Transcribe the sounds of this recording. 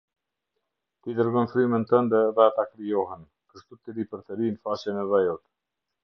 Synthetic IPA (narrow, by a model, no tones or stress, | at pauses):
t̪id̪əɾɡɔnfɾymənt̪ənd̪ɛðɛat̪akɾijɔɦɛn | kəʃt̪ut̪iɾipəɾt̪əɾinfaʃɛnɛvɛjɔt̪